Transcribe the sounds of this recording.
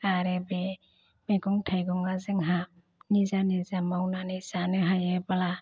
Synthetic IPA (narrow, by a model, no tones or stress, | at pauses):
aɾebe | meɡɔŋtʰajɡɔŋazɯŋɦa | nizanizamawnanizanɯɦajebala